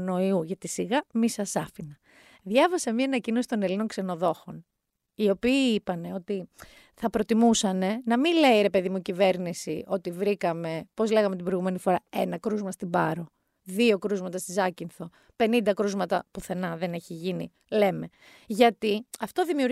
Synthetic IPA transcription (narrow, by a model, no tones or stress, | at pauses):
no̞iuʝɐt̪isiɣɐmisɐsɐfinɐ | ðʝɐvɐsemɲɐːnɐcino̞si̥t̪o̞ne̞lino̞ŋkse̞no̞ðo̞xo̞n | io̞piːipɐne̞o̞t̪i | θɐpɾo̞t̪imusɐne̞nɐmile̞iɾe̞pe̞ðimuicive̞ɾnisio̞t̪ivɾikɐme̞po̞zle̞ɣɐme̞t̪ibɾojɣume̞nifo̞ɾɐe̞nɐkɾuzmɐst̪ibɐɾo̞ | ðio̞kɾuzmɐt̪ɐst̪izɐcinθo̞ | pe̞nind̪ɐkɾuzmɐt̪ɐpuθe̞nɐðe̞neçiʝini | le̞me̞ | ʝɐt̪iɐft̪o̞ðimiuɾ